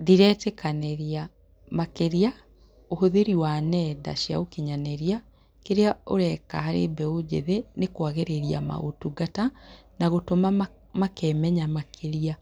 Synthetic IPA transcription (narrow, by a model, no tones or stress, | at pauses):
ðiɾɛtɛkaneɾia | makeɾea | ohoðeɾiwanɛda̰ʃia̰okiɲanɛɾia | keɾeaoɾɛka̰haɾebɛod͡ʑḛðenekwaɣeɾeɾia̰ma̰o̰tuɡatanaɣotoma | makɛmɛɲamakʰeɾia